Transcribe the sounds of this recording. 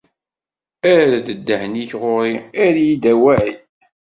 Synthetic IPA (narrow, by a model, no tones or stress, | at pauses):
æɾæd̪əd̪ːəhniçʁʊɾiæɾjid̪æwæʕi